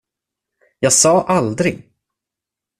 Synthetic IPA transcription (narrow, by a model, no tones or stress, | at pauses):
jɑːɡsɑːʔald̪ɾɪɡ